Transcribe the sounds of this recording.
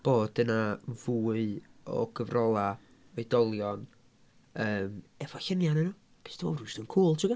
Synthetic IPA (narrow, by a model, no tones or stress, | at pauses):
b̥oːd̥ənavuːɨɔ̰ɡəvrɔlˠa | edɔlˠjɔn | əːmɛvɔɬənjanɛnɔ | pʰe̥ːsd̥ʰimo̰rusdənkʰuːlˠtʰɪɡa